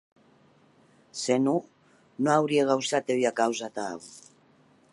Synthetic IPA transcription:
senu | noawɾieɣawsat̪eβjakawzat̪aa̰ɣu

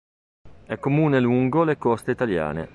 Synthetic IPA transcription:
ɛkːomuːneluŋɡolekɔst̪eit̪alja̰ːnḛ

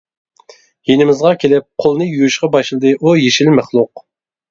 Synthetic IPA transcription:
jenɪmɪzʁɑkʲʰelɪp̚qʰolˠnɨjujuʃqɑbɑʃlˠɨd̪ɨʔujeʃilmæχlˠʊq̚

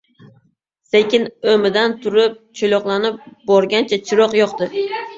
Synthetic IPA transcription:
sekʲɪnomɪd̪ant̪ʰʊɾɪp̚t͡ʃʰolɒqlˠanɪp̚bɒɾɡʲant͡ʃʰat͡ʃʰɪɾɒqjɒqd̪ɪ

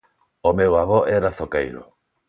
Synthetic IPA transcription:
omewaβoʔɛɾaθokejɾʊ̰

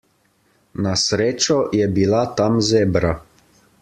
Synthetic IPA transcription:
nasɾeːt͡ʃɔjɛbilat̪amzeːbɾa

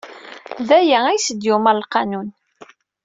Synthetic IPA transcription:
ðæjææjsəd̪jumæɾlqɑnun

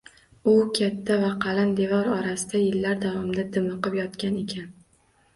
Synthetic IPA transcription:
ʊkʲʰat̪ʰːavaqʰɑland̪e̞vɒɾɒɾasɪd̪ajɪlːaɾd̪avɒmd̪ad̪ɪmɨqɨpjɒt̪kʲane̞kʲʰan

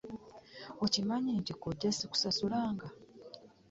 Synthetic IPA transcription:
o̞cimaɲeːntikoɟːasiku̥sasulaːŋɡa

